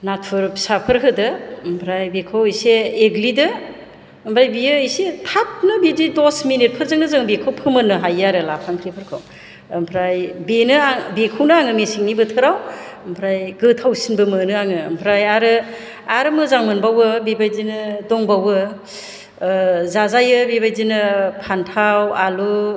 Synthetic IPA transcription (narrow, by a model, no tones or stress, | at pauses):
natʰpʰɯɾpi̥sapʰɯɾɦɯdɯmpʰɾajbekʰawɯjseːɡlidɯː | mpʰɾajbijɯjsetʰap̚nɯbididɔsminit̚pʰɯɾzɯŋnɯzɯŋbekʰɯwpʰɯmɯnːɯɦajaɾɯlapʰaŋkʰɾipʰɯɾkʰɯw | mpʰɾajbenɯabekʰɯwnɯaŋɯmesiŋnibɯtʰɯɾawmpʰɾajɡɯtʰawsinbɯmɯnɯaŋɯ̰ːmpʰɾajaɾɯ | aɾɯmɯzaŋmɯnbawɯbebajdinɯdɔŋbawɯ | zazajɯbebajdinɯpʰantʰawalu